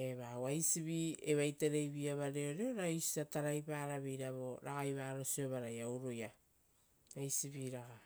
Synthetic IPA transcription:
eβawajsiβieβajteɾejβiaβaɾeoɾeoɾajsi̥ataɾajpaːɾaβejɾaβo̞ɾaɡajβaːɾo̞sioβaɾajawɾoja | ajsiβiɾaɡa

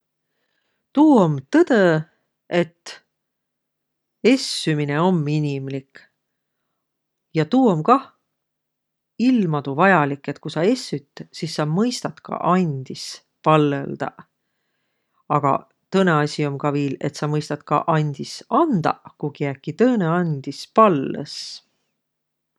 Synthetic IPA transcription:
t̪uːomt̪ɤd̪̥e | e̞t̪ː | e̞sːymine̞o̞mːinʲimlik | jɑt̪uːomkɑ | ilmɑt̪uvɑjɑlikːˑe̞t̪̚kusɑe̞sːyt̪ːˑsisːɑmɤjst̪ɑt̪kɑ̰ʔɑnʲd̪̥is | pɑlːeld̪̥ɑ̰ | ɑɡ̥ɑ̰ | t̪ɤne̞ɑsʲio̞mkɑviːle̞̰t̪sɑmɤjst̪ɑt̪kɑ̰ʔɑnʲd̪̥isɑnd̪̥ɑ̰kukiækːit̪ɤːne̞ɑnʲd̪̥ispɑlːḛs

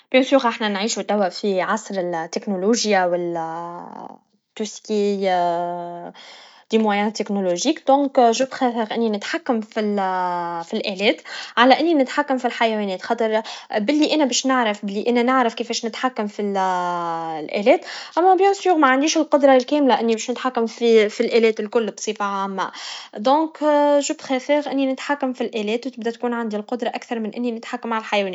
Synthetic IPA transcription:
b̥josjuːɣʔaħnænʕiːʃut̪æwːæʔfiʕɑsˤɾɪt̪ːeknoluʒjawɪl | t̪ːuski | d̪̥imwæjɛːnt̪ːeknoloʒiːkd̪̥ɔ̃ːŋkʒubxæːθəɣʔɪnːinɪt̪ħakːæmfil | filʔɛːlɛːt̪ʕalæʔɪnːinɪt̪ħakːamfilħajæwɛːnɛːt̪xɑt̪ˤəɾˤbɪlːiʔæːnæbɛːʃnɪʕɾafbɪlːiʔæːnænɪʕɾafkifɛːʃnɪt̪ħakːamfi | lʔɛ̰ːlɛːt̪ʔæmːæbjosjuːɣmæʕand̪iːʃɪlqʊd̪ɾˤɑlkɛːmlaʔɪnːibɛːʃnɪt̪ħakːamfifilʔɛːlɛːt̪ɪlkʊlːbsˤiːfaʕaːmːa̰d̪õːkʒubxɛfɛːɣʔɪnːinɪt̪ħakːamfilʔæːlɛːt̪wt̪ɪbd̪æt̪kuːnʕand̪ilqʊd̪ɾˤɑʔakθɑɾˤmɪnʔɪnːinɪt̪ħakːamʕalælħajwɛːnː

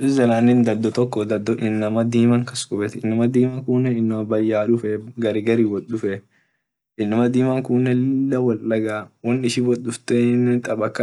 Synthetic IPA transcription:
ɪzɐlaːnːɪnd̪ɐd̪ːɔt̪ɔkːɔd̪ɐd̪ːɔʔɪnːɐmɐd̪iːmɐŋkɐskʼʊbɛt̪ɪnːɐmɐd̪iːmɐŋkuːnːɛɪnːɐmɐbɐjːaːᶑʊfɛɡɐɾɪɡɐɾiːwɔᶑʊfɛ | ʔɪnːɐmɐd̪iːmɐŋkʊːnːɛlɪlːɐwɐllɐɡaːwɐnːɪʃɪwɔɗʊft̪ɛnt̪ʼɐbɐkːɐ

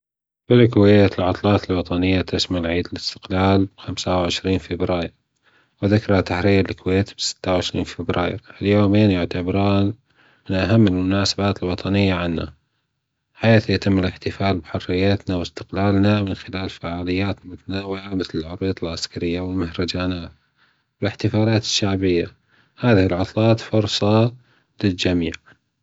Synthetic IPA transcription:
bɪlkweːt̪ɪlʕʊt̪ˤlɑːt̪ɪlwɑt̪ˤɑnɪjːat̪asmalʕiːd̪ɪlɪst̪ɪ̥qlaːlxamsawʕɪʃɾiːnfɪbɾaːjɪɾ | wɪðakɾˤat̪aħɾiːɾɪlkweːt̪bsɪ̥t̪ːawʕɪʃɾḭːnfɪbɾa̰ːjɪ̰ɾʔɪljoːmeːnjʊʕt̪abɾaːn | mɪnʔaɦamːɪlmʊnaːsabaːt̪ɪlwɑt̪ˤɑnɪjːaʕanːa̰ | ħaːθjat̪ɪmːɪlɪħt̪ɪfaːlbɪħʊrːɪjːat̪nawɪst̪ɪqlaːlnamɪnxɪlaːlfaʕaːlɪjːaːt̪mɪθnawɪʕamɪθlɪlʕʊɾˤuːd̪ˤɪlʕaskaɾɪjːawɪlmahɾˤɑd͡ʒanaːt̪ | wɪlɪħt̪ɪfaːlaːt̪ɪ̥ʃːaʕbɪjːa | haːðɪhɪlʕʊt̪ˤlɑːt̪fʊɾˤsˤɑ | lɪld͡ʒamiːʕ

